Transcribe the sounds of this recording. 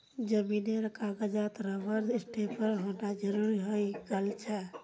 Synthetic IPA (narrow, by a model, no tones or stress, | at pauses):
d͡ʒəmineɾəkʰaɡəd͡ʒat̪ɾəʋəɾisʈʰepəɾɦonad͡ʒəɾuɾiɦojɡelt͡ʃʰɛ